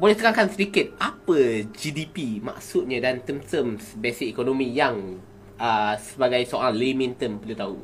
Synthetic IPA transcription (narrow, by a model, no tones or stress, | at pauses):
bolɛht̪əɾaŋkansədikɪt̪̚ʔapəd͡ʒidipima̰ksut̪̚ɲadant̪əmt̪əmsbesikikonomĩjaŋ | əsəbaɡajsoɾaŋlemĩnt̪əmpəlut̪aɦu